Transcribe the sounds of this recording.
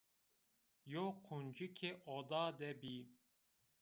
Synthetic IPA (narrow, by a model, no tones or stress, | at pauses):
joqʰund͡ʒikʲʰeʔɔd̪ɑːd̪ɛbi